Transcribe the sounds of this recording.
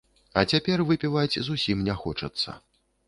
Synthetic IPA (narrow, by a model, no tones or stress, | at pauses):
ɐt͡sʲapʲɛrvɨpʲivad͡zʲzusʲimnʲɛxɔt͡ʂɐt̪sːɐ̰